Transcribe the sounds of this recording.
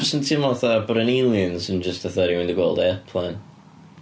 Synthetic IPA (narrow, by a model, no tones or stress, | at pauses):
sə̃ntʰɪmɔθəpʊɾə̃nĩlˠiɨ̃nzɨ̃nd͡ʒʌstəθɜɾiwɪ̃ndəɡwolˠdɛpʰl̥ɛ̃n